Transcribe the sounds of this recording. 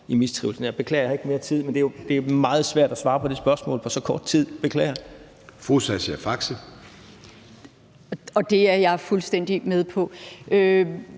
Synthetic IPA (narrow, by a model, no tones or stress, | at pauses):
imist͡sʰʁḭʊl̩sn̩jɑ̈ɪb̥e̝kʰlɛ̰ːɐjɐe̝ɡ̥me̝ːɐt͡sʰið̰ˠmend̥e̝jod̥e̝mɑ̈ːð̞̩ˠsʋæɐ̰d̥æsʋɑ̈ːpʰɒ̽d̥e̝sb̥ɶɐsmɔ̰ːlpʰɒ̽sɒ̽kʰɒːd̥̚t͡sʰið̰ˠb̥e̝kʰlɛ̰ːɐ | fosɛsæfɑ̈ɡ̥sə | ɒ̽d̥e̝æɐjɑ̈ɪfulsd̥en̰d̥imeðˠpʰɒ̽ʔø